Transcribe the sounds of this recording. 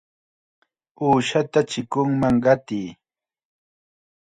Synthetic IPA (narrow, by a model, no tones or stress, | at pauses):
uːʃat̪at͡ʃɪkʊŋmaŋɢɑt̪iː